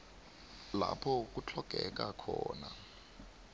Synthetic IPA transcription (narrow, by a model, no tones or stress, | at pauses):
lapʰɔk̬ut͡ɬʰɔɡ̥ʱɛk̬ʼakʰɔːna